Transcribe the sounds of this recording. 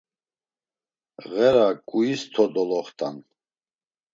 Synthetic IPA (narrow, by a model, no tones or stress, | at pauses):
ɣɛɾakʼuist̪ʰɔd̪ɔlɔχt̪ʼan